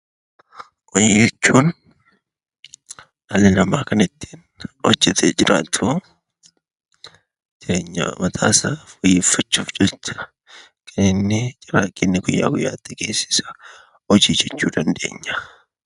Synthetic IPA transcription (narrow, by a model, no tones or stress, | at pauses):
ʔɔjd͡ʒɛt͡ʃːuːn | ɐlɪnɐmaːkɐnɪt̪ːi̥ːn | ɔ̰d͡ʒːɛt̪ʰed͡ʒɪɾʔa̰ːt̪ʰʊ | d͡ʒɪeːɲːɐ̰mɐt̪ʰa̰ːsɐfɔjːɪːfɐt͡ʃːuːfd͡ʒɛt̪ːɐ̥ | kʰʼɐnɪnːɪd͡ʒʼɪɾaːkʼːɪnːɪɡʊjːa̰ːɡʊjːaːt̪ːɪɡeːsːɪ̥sɐ̥ | ɔd͡ʒiːd͡ʒɛt͡ʃːuːd̪ɐnd̪e̞̰ːɲːɐ̥